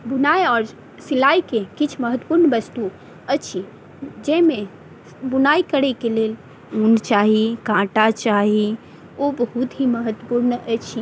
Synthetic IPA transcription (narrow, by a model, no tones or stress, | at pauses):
bunajɔːɾ | silaikekit͡ʃʰməɦət̪əpuɾnʋəst̪u | ət͡ʃʰi | d͡ʒɛme | bunaikəɾɛkelel | unt͡ʃaɦikãʈat͡ʃaɦi | obəɦut̪ɦiməɦət̪əpuɾnət͡ʃʰi